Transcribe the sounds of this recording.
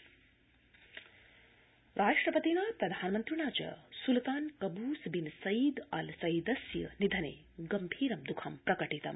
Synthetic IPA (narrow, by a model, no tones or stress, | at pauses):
ɾʔaːʂʈɾɐpɐt̪inaːpɾɐd̪ʱaːnmənt̪ɾinaːd͡ʒɐ̰sult̪aːnkɐbuːsbinsɐjid̪ɐ̰lsɐid̪ɐsjɐ̰nid̪ʱɐnḛː | ɡɐmbʱiːɾɐmd̪ukʰɐmpɾɐkɐʈit̪ɐ̰m